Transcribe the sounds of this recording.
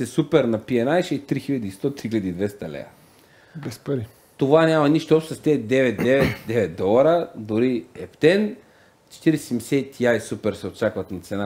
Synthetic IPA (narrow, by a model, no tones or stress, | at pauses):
sɛsupɛɾnɐpiɛnajʃɛit̪ɾixiʎʲad̪iːst̪ɔt̪ɾixilʲad̪iːd̪vɛst̪ɐlɛ̰ɐ̰ | bɛspɐɾi | t̪ovanʲamɐniʃt̪oɔpst̪ɐst̪ɛd̪ɛvɛt̪̚d̪ɛvɛt̪d̪ɛvɛt̪̚d̪ɔlˠɐɾɐd̪oɾiɛpt̪ɛn | t͡ʃɛ̥t̪iɾissɛmsɛt̪jajsupɛɾsɛot̪̚t͡ʃakvɐt̪nat̪sɛna